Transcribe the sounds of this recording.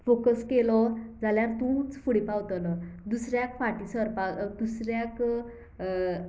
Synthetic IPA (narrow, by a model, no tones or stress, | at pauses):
fokəskelɔd͡zaljaɾt̪ũt͡sfuɽipawt̪əlɔd̪usɾjakfaʈisəɾpad̪usɾjak